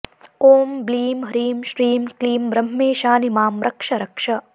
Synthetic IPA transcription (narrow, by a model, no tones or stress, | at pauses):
oːmbliːmɦɾiːmʃɾiːmkliːmbɾɐmːeːʃaːnimaːmɾɐkʂɐɾɐkʂɐ